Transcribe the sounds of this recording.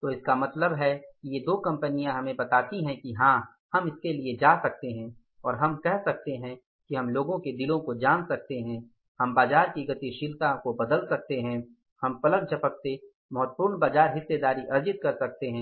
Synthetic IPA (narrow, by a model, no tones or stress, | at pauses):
t̪oːɪskamɐt̪ləbɦɛkijed̪oːkɐ̃mpənijãɦɐmẽbɐt̪aːt̪iɦɛ̃kiɦãː | hɐmɪskelied͡ʒaːsɐk̚t̪eɦɛ̃ː | ɔːɾɦɐmkɛɦsɐk̚t̪eɦɛ̃ | kiɦɐmloːɡõked̪ɪlõkod͡ʒaːnsɐk̚t̪eɦɛ̃ | hɐmbaːzaːɾkiɡɐt̪iʃɪlk̪akobɐd̪əlsɐk̚t̪eɦɛ̃ | hɐmpɐlək̚t͡ʃʰɐpək̚t̪e | mɐɦʊt̪̚pʊɾnbaːd͡ʒaːɾɦɪsːed̪aːɾiʔɐɾd͡ʒɪt̪̚kɐɾsɐk̚t̪eɦɛ̃ː